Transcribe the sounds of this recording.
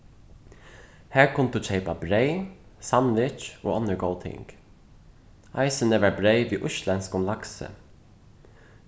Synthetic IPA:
hæːɹkʰʊnt̪uːt͡ʃʰeɪpabɾeɪsanʋɪt͡ʃo̰ːɔnəɹɡoʊt̪ʰɪ̰ŋk | aɪsənəʋæːɹbɾeɪʋiːʔʊʃlɛnskʊnlaksə̰

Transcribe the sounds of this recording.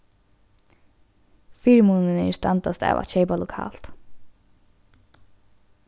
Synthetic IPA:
fiːɹmuːnɪnɛ̰ɹst̪ant̪ast̪ɛ̰ːʋʔa̰t͡ʃeːjpalʊkʰa̰ːl̥t̪

